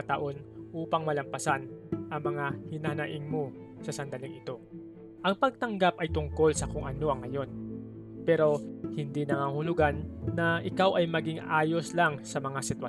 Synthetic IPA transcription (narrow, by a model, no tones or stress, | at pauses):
t̪ɐʔo̞nʔuːpɐŋmɐlɐmpɐsanʔɐŋmɐŋahɪnanɐʔɪŋmo̞ | sɐsɐnd̪ɐlɪŋɪt̪o̞ | ʔɐŋpɐɡ̚t̪ɐŋɡapʔɐjt̪ʊŋko̞lsɐkʊŋʔɐno̞ʔɐŋːɐjo̞n | pɛɾo̞hɪnd̪inɐŋaːhʊlʊɡanːɐʔɪkawʔɐjmɐɡɪŋʔaːjo̞slaŋsɐmɐŋasɪt̪wɐ